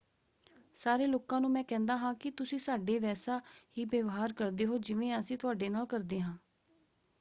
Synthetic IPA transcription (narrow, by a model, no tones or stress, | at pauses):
saːɾeːloːkãːnũːmɛ̃ːkɛ̃ːnd̪aːɦãːkɪt̪ʊsĩːsaːɖeːʋɛːsaːhiːbəʋɦaːɾkəɾd̪eːɦoːd͡ʒɪʋẽːəsĩːt̪ʊaːɖeːnaːlkəɾd̪eːɦãː